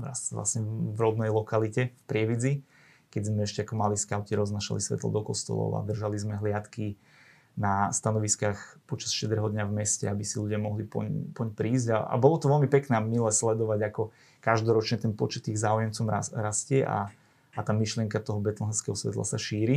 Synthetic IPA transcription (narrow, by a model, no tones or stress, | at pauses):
ɾa̰sʋlˠa̰sɲɛvɾɔb̪nɛjlɔkalicɛfpɾɪɛʋid͡zi | kɛɟzmɛɛʃcɛakɔmaliskaʊciɾɔznaːʃa̰lisʋɛ̰t̪lɔ̰d̪ɔkɔst̪ɔ̰lɔ̰ʊa̰d̪r̩ʒalizmɛɦlɪat̪ki | nast̪anɔʋiskaːxpɔt͡ʃasʃtɛd̪ɾɛɦɔd̪ɲavmɛscɛ̰abisiluɟɪamɔɦlipɔ̰ɲpɔɲpɾiːzɟaa̰bɔlɔt̪ɔʋɛlmipɛknɛamilɛslɛd̪ɔʋaɟakɔ | kaʒd̪ɔɾɔt͡ʃɲɛt̪ɛnpɔt͡ʃɛt̪ːiɣzaːujɛmt͡sɔma̰ɾascɛʔa̰ | at̪aːmiʃlɪɛŋkat̪ɔɦɔbɛt̪lɔɦ̪ɛ̃skɛɦɔsʋɛ̰t̪la̰saʃiːɾi